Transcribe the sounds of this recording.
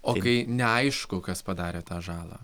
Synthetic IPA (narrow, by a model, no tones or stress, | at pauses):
oːkɐɪnʲɛɐɪʃkʊkɐspɐd̪ɑːɾʲeːt̪ɑːʒɑːlˠɑ̰ː